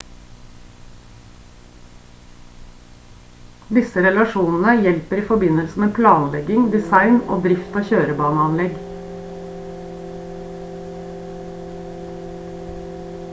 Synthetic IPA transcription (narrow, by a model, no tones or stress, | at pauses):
d̪ɪsəɾɛlɑʃuːnn̩əjɛlpəɾiːfɔbɪnəlsəmeːpʰlɑːnlɛɡɪŋd̪ɪsɑɪno̰ːd̪ɾɪft̪ɑːçøːɾəbɑːnəɑnlɛɡ